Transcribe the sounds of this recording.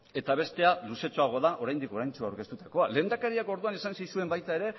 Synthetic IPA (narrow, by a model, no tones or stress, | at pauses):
e̞t̪aβ̞e̞st̪e̞aluse̞t͡ʃo̞aɣ̞o̞ðaʔo̞ɾajnd̪iko̞ɾajnt͡ʃua̰wɾke̞st̪ut̪ako̞ale̞ːnd̪akaɾiako̞ɾðuanesansisue̞mbajt̪ae̞ɾe̞